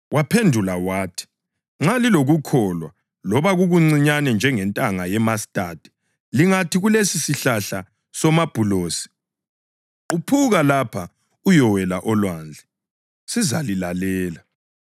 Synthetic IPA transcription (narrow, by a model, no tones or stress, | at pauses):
wapʰendʱulawaːtʰi̥ | ŋ͡ǁaliloɣukʰɔlwa | lɔβaɣuɣuŋ͡ǀiɲanɛnd͡ʒʱɛŋɛntʼaŋajɛmastʼad̥ʱɛ̥ | liŋatʰiɣulesisiɬaɬa | sɔmab̥ʱuloːsi̥ | upʰuɣalapʰa | ujɔwɛlaʔɔlwaːnd͡ɮʱɛ | siza̰lilalɛːla